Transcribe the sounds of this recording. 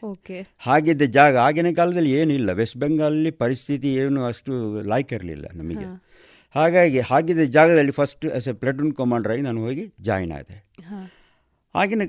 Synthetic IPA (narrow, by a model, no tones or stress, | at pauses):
okehaːɡid̪ːɐd͡ʒaːɡɐaːɡinekaːlɐd̪ɐlːie̞ːnuilːɐʋesbeŋɡɐɐlːipɐɾist̪ʰit̪ieːnuɐsʈulaːjkɐɾɐlḭlːɐ̰nɐmɐ̰ɡe | haːɡaːɡihaːɡid̪ːɐd͡ʒaːɡɐd̪ɐlːipʰɐsʈuɛ̰sepleʈunkɐmaːɳɖɐɾaːɡinaːnuɦoːɡid͡ʒa̰ːjna̰ːɡit̪ḛ | ha̰ːɡine